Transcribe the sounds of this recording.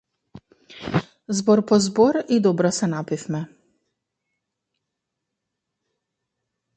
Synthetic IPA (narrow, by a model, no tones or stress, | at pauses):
zbɔɾpɔzbɔɾid̪ɔbɾɔsɛnapifmɛ